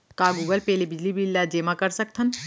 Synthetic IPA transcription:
kaɡuːɡəlpɛːlebɪd͡ʒlibilːad͡ʒeːmakəɾsək̚t̪ʰən

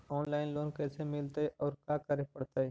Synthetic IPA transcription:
ɔːnlaːɪnloːnkɛːsemɪlt̪aɦɛʔɔːɾkaːkəɾepəɽt̪aɦɛː

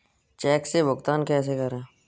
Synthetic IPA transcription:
t͡ʃɛːksebʊɡt̪aːnkɛːsekəɾẽː

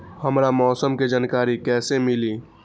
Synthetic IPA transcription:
həmɾamɔːsəmked͡ʒankaɾikɛsemili

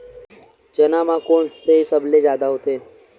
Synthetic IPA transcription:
t͡ʃənaːmãkoːnsesəbled͡ʒjaːd̪aɦut̪ʰeː

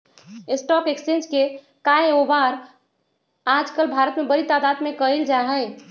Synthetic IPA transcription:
esʈɔpekst͡ʃẽnd͡ʒke | kaeobaɾ | ad͡ʒkəlbʱaɾət̪mebəɾit̪aːd̪ad̪mẽkəeld͡ʒaɦəɪ

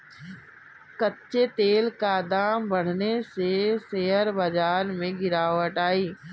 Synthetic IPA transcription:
kətːʃet̪eːlkaːd̪aːmbəɽ̤neseseɦəɾbɐd͡ʒaːɾmẽɡɪɾaːʋəʈaːiː

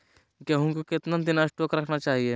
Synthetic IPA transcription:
keɦʊnkokɪt̪nad̪ɪnasʈoːkɾɐkʰnat͡ʃaːɦie

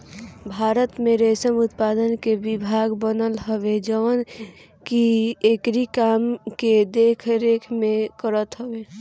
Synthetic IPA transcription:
bʱaːɾət̪mẽɾesəmʊt̪paːd̪ənkebɪbʱaːɡbənəlɦəwed͡ʒəwən | kiekɾikaːmked̪eːkʰɾeːkʰmẽkəɾət̪ɦəʋe

